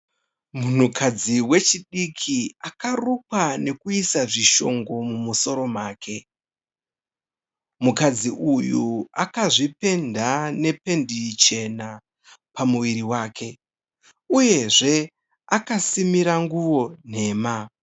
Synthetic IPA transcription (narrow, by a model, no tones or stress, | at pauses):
mun̤ukʰad͡ziwe̞t͡ʃiɗikʰiakarukwane̞kuisaʐiʃo̞ŋɡo̞mumuso̞ɾo̞maːkʰe̞ | mukad͡ziʔujuakaʐipe̞ndane̞pe̞ndit͡ʃe̞na | pamuʋiɾiwaːkʰe̞ | uje̞ʐe̞ | akasimiɾaŋɡuwo̞n̤e̞ːma